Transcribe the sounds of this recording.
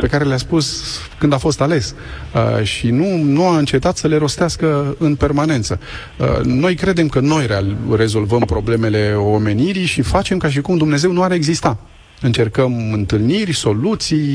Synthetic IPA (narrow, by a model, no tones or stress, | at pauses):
pe̞kaɾe̞leaspus | kɨnd̪afo̞st̪ale̞s | əʃinunuaɨnt͡ʃe̞t̪at̪səle̞ɾo̞st̪easkəɨnpe̞rmane̞nt̪sə̰ | no̞jkɾe̞d̪e̞mkəno̞jɾere̞zo̞lvəmpɾo̞ble̞me̞le̞o̞me̞niɾiʃifat͡ʃe̞mkaʃ̬ikumd̪umne̞ze̞wnuaɾe̞ɡzist̪a | ɨnt͡ʃe̞rkəmɨnt̪ɨlnirʲso̞lut̪sij